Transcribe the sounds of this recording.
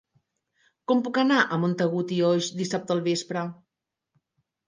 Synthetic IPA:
kɔmpukənaʔəmont̪əɣ̞ut̪iɔʒd̪isap̚t̪ːlˠβespɾə

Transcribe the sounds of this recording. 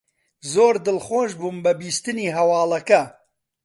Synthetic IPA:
zoːɾd̪ɨlxoːʃbuːmbɐbiːst̪ɨniːɦɐwɑːlɐkɐ

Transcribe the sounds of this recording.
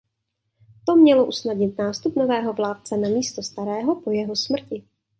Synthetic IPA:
t̪o̞mɲɛlo̞ʔusnadɲɪt̪naːst̪upnovɛːɦo̞vlaːt̪̚t͡sɛnamiːst̪ost̪aɾɛːɦo̞po̞jɛɦo̞smr̩cɪ

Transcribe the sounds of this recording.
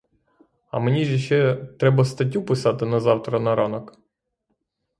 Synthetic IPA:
ɐ̰menʲiʒʲiʃɛt̪ɾɛbɐst̪ɐt̬ʲːupɪsɑt̪ɪnɐzɑwt̪ɾɐnɐɾɔnɔk

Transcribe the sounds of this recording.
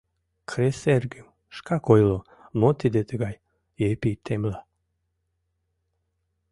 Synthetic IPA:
kʰɾeserɡəm | ʃkɑkojlo | not̪id̪et̪əɣɑj | epit̪ʰemla

